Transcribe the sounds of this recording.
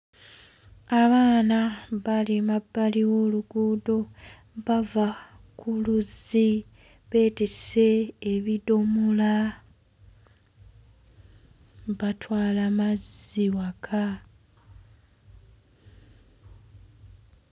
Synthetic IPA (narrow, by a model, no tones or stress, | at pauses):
aβaːnaβalimabːaliwo̞ːluɡuːdo̞ | βava | kʰuluzi | βe̞ːtise̞ːβidomula | βatwaːlamaziwakʰa